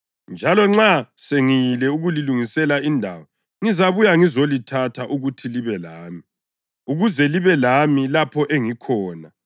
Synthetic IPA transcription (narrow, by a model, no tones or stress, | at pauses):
nd͡ʒʱalɔŋ͡ǁaseŋijilɛuɣuliluŋisɛlaindʱa̰wɔ | ŋizaβujaŋizolitʰatʰaʔuɣutʰiliβɛlaːmi | uɣuzɛliβɛlamilapʰɔʔeŋikʰɔːna